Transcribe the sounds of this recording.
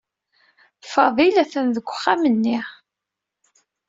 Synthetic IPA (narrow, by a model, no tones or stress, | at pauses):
fɑðˤilæθænðəɡʷə̥χːamənːɪ